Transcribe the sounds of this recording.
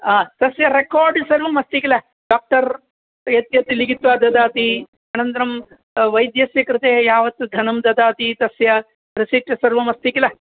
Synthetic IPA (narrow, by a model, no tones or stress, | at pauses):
aːt̪ɐsjɐɾekaːɾɖsɐɾʋɐmɐst̪ikilɐ | ɖaːk̚ʈɐɾ | jɐt̪jɐt̪iliɡit̪ʋaːd̪ɐd̪aːt̪i | ɐnɐnt̪ɐɾɐm | ʋɐjd̪jɐsjɐkɾɪt̪eɦɐjaːʋɐt̪ːud̪ʱɐnɐmd̪ɐd̪aːt̪it̪ɐsjɐ | ɾisiʈːɐsɐɾʋɐmɐst̪ikilɐ